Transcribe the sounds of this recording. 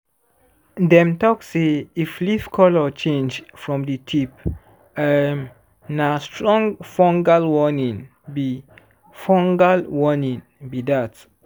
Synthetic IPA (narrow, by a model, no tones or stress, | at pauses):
dɛ̃mtɔkseiflifkʰɔlɔt͡ʃẽnd͡ʒfɹɔ̃mditʰip | əm | nastʰɹɔ̃ŋɡfɔ̃ŋɡalwɔnĩn | bi | fɔ̃ŋɡalwɔnĩn | bidat